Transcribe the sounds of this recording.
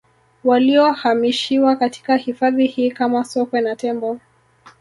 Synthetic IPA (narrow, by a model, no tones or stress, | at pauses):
waliɔhamiʃiwakatʰi̥kahifaðihiːkamasɔkwɛnatɛmbɔ